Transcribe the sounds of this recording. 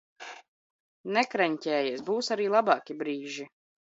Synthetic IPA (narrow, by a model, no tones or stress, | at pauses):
nɛkɾɛɲʲcʲɛːjɛsbuːsaɾiːlˠabɑːkʲibɾiːʒi